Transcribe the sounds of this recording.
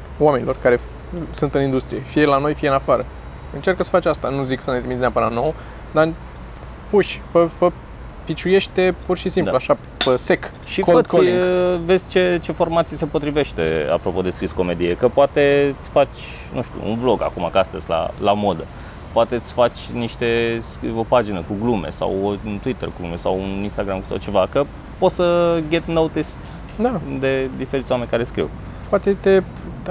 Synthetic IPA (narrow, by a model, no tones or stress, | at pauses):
wame̞nilo̞rkaɾe̞ | sunt̪ɨnind̪ust̪ɾije̞fijelano̞jfijeɨnafaɾə | ɨnt͡ʃerkəsə̥fat͡ʃʲast̪anuziksənet̪ɾimit̪snapɨnanow | d̪aɨ | puʃʲfəfə | pit͡ʃuje̞ʃt̪e̞purʃisimp̪aluaʃa | pəse̞k | ʃikoət̪kiŋve̞zʲt͡ʃe̞t͡ʃe̞fo̞rmat̪sijese̞po̞t̪ɾive̞ʃt̪e̞̰a̰pɾo̞po̞d̪e̞skɾisko̞me̞d̪iekəpoat̪e̞t̪sfat͡ʃʲ | nuʃt̪ṵʔṵnvlo̞ɡa̰kumakast̪əsʲla̰lamo̞d̪ə | poat̪e̞t̪sfat͡ʃʲniʃt̪e̞ | opad͡ʒinəkuɡlume̞̰sa̰wont̪uwit̪ə̰rɡuɡlume̞sawuninst̪aɡɾamkut̪ot̪̚t͡ʃe̞vakə | po̞t̪səɡet̪nowt̪ist̪ | d̪ad̪e̞d̪ife̞ɾit̪sʲoame̞nʲkaɾe̞skɾḭw | poat̪et̪e